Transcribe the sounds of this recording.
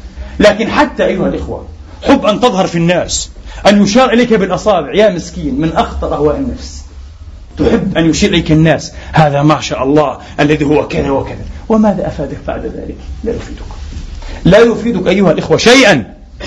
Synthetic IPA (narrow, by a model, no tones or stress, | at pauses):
laːkɪnħat̪ːaʔajːʊhalʔɪxwa̰ | ħʊbːʔant̪ɨðˤhɑɾˤfinːaːs | ʔanjʊʃɑːɾʔɪlajkabɪlʔɑsˤɑːbɪʕjaːmɪskiːnmɪnʔɑxt̪ˤɑɾˤʔahwaːʔɪnːafs | t̪ʊħɪbːʔanjʊʃiːɾʔɪlajkanːaːshaːðamaʕʃaːʔɑlˤːɑːh | ʔalːaðihʊwːakaðawɪkaðawɪmaːðaʔafaːd̪ak̚ba̰ʕd̪ða̰ːlɪkla̰jʊfiːd̪ʊk | lajʊfiːd̪ʊkʔajːʊhalʔɪxwaʃajʔan